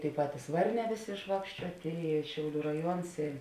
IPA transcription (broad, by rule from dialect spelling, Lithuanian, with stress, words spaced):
tʲeːɪ ˈpɑːtʲɪs ˈʋɐrʲˌnʲɛː ˈʋʲeːˌsʲeː ɪʃˈʋɑːkʃʲt͡ʃʲuɔtʲeː ɪ ˈʃʲɛʊˌlʲuː rɐˈjuɔns ɪ